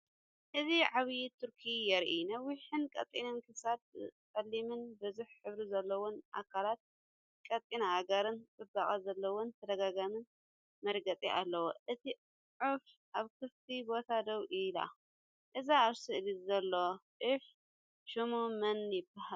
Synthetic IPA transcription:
ʔɨziʕaβjt̪ʰuɾkʰijɛɾʔinɐwːiħɨnkʼɐ̰t̪ʼːinɨnkʰɨsad̪̚kʼɐlːimɨnbɨzuħħɨβɾizɐlːɐwonʔa̰kʰalat̪̚ | kʼɐt̪ʼinaːɡɐɾɨnkʼɨd̪akʼazɐlːɐwont̪ʰɐd̪ɐɡaɡamɨn | mɐɾɡɐt͡sʼiʔalːɐwoʔɨt̪ʰi | ʕuf | ʔaβkʰɨft̪ʰibot̪ʰad̪ɐwʔɨla̰ | ʔɨzaːβsɨʔɨlizɐlːoʔɨf | ʃumumɐnjɪbːahal

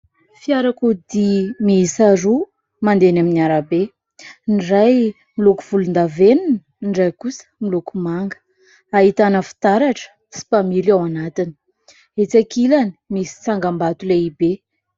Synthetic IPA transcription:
fiaɾakud̪imiisaɾu | mand̪enaminiaɾabe | nɖ͡ʐaj | milukuv̥ulund̪aveninə | nɖ͡ʐajkusə̥milukumaŋɡə̥ | aɦit̪anəfi̥t̪aɾaʈ͡ʂə̥ | si̥pamiɾawanat̪ini̥ | et͡sakilani̥misi̥t͡saŋɡambat̪uleibe

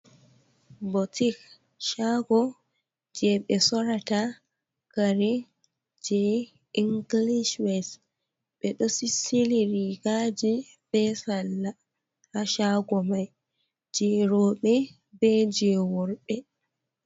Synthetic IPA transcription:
bɔtik | ʃaɡɔ | d͡ʒɛɓɛsɔɾata | kaɾɛ | d͡ʒɛ | iŋɡliʃwɛs | ɓɛɗɔsisiliɾiɡad͡ʒi | b̥ɛsalːa | aʃaɡɔmaj | d͡ʒɛɾɔːɓɛ | bɛd͡ʒɛwɔɾɓɛ

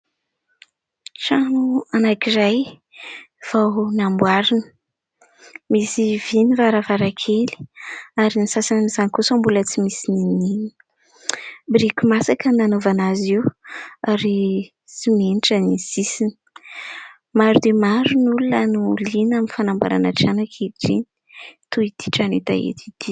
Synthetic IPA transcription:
ʈ͡ʂanuanakizaj | v̥awnambwaɾinə̥ | misivinivaɾavaɾakʰeli̥aɾinisasannizanikusambulət͡simisininini̥ | bɾikʲumasakənanovanaziwaɾi | t͡simeniʈ͡ʂənizisini̥ | maɾud̪emaɾunulunənulinaminfanamba̰ɾa̰naʈ͡ʂanakʰiʈ͡ʂḭni̥ | t̪uid̪̥i̥ʈ͡ʂanit̪a̰ḛt̪ʰid̪̥i

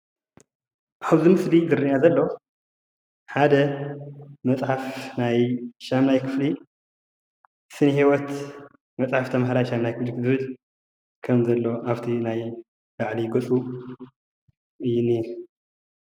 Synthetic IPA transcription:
ʔaβzɨmɨsliɡɨrːinazɐlːo̞ | ħad̪ɐ | mɐt͡sʼħafnajʃamnajkʰɨ̥fli | sɨnihiwɔt̪ | mɐt͡sʼħaft̪ʰɐmaɦɾajʃamnajkʰɨflizɨβɨl | kʰɐmzɐlːo̞ʔaβt̪ʰinaj | laʕliɡɐt͡sʼu | ʔɨjːɪni

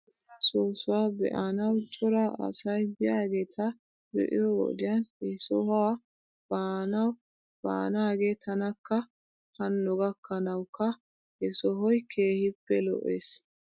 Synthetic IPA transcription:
ɐsoːsʊwaːbɛ̰ʔɐnɐwt͡ʃʼɔɾɐɐ̰sɐjbɪjaːɡeːt̪ʰɐ | d̪ɛ̰ʔɪ̰jɔɡɔ̰d̪ɪjɐnɛsɔha | b̥aːnɐw | b̥a̰ːnaːɡeːt̪ʰɐnɐkːɐ | hɐnːɔɡɐkːɐnɐwkːɐ | ɛsɔɦɔjkʰeːhɪpːɛlɔ̰ʔeːs

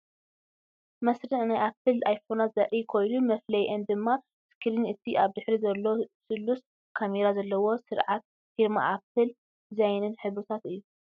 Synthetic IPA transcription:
mɐsɾɨʕnajʔapːɨlajfonat̪zɐʔikʰo̞jnumɐflɐjʔend̪ɨmːa | skʰɾinɨt̪ʰiʔaβd̪ɨħɾizɐlːosɨlːus | kʰameɾazɐlːɐwo̞sɨɾʕat̪̚ | fiɾma̰ʔapɨl | zajnɨnħɨβut̪ʰat̪ɨjːu

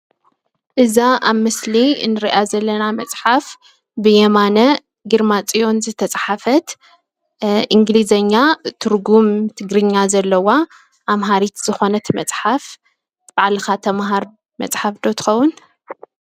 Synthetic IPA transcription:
ʔɨzaʔaβmɨsliɨ̰nɨɾiʔazɐlːɐnamɐt͡sʼħaf | bɨjɛmanɐ | ɡɨɾmat͡sʼijo̞nzɨt̪ʰɐt͡sʼħafɐt̪ | ʔiŋɡlizɐɲːat̪ʰɨɾɡumt̪ʰɨɡɾɨɲːazɐlːɐwa | ʔamɦaɾit̪z̥ɨxo̞nɐt̪ʰmɐt͡sʼħaf | b̥aʕlɨxat̪ʰɐmɦaɾ | mɐ̰t͡sʼħafd̪o̞t̪ʰɨ̥xɐwːʊn

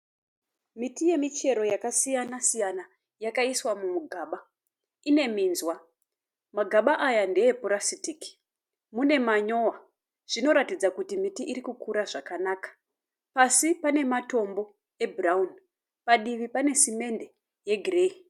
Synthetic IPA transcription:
mitije̞mit͡ʃe̞ɾo̞jakasijanasijana | jakaiswamumuɡʱaːɓa | ine̞miːnzwa | maɡʱaɓaʔajande̞jepoɾasitiki̥ | mune̞maɲo̞wa | ʐ̥ino̞ɾatid͡zakutimitiʔiɾikukuɾaʐakanaːkḁ | pasipane̞mato̞mbo̞ | e̞bʱuraun | paɗiʋipane̞sime̞nde̞ | je̞ɡʱireːi

